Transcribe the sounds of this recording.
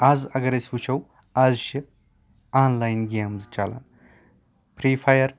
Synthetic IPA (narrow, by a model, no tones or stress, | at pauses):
aːzɐɡɐɾɐsʲut͡ʃʰɐw | azʃi | aːnlaːjnɡeːmzt͡ʃalɐ̰n | pɾiːpʰajɐɾ